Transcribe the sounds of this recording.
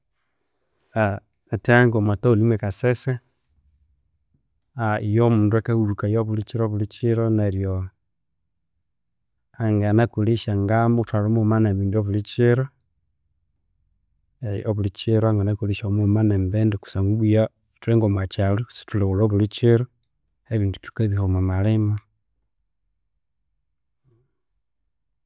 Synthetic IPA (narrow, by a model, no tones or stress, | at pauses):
a | ataŋɡomataulimwekasese | aijomuːnduekahuɾukajoβulit͡ʃiɾoβulit͡ʃiɾoneɾjo | aŋɡanakuliʃaŋɡamotaɾomomanaβiːndoβulit͡ʃiɾo | eoβulit͡ʃiɾoaŋɡanakuliʃamumanembeːndeku̥saŋɡuβuja | tuɾeŋɡomwat͡ʃalusi̥tuleβuɾoβulit͡ʃiɾo | eβiːndutu̥keβihomamalema